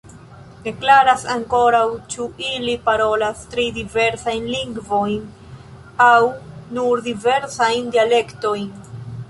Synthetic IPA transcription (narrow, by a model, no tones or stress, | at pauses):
de̞klaɾasaŋko̞ɾawt͡ʃuʔilipaɾo̞lastɾidive̞ɾsajnliŋɡvo̞jn | awnuɾdive̞ɾsajndiale̞kto̞jn